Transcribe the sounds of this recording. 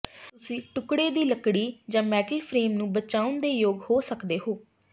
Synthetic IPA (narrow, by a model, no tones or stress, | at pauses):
t̪ʊsĩːʈʊkɽeːd̪iːləkɽiːd͡ʒãːmɛːʈəlpʰɾeːmnũːbət͡ʃaːʊnd̪eːjoːɡhoːsəkd̪eːɦoː